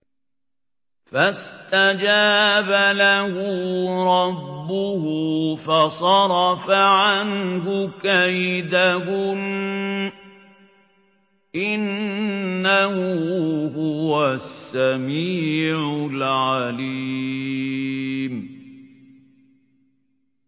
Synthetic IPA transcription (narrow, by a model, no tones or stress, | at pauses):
fast̪ad͡ʒaːbalahʊɾˤɑbːʊhʊfɑsˤɑɾˤɑfaʕanɦʊkajd̪ahʊn | ʔɪnː | ahʊhʊwasːamiːʕʊlʕaliː | m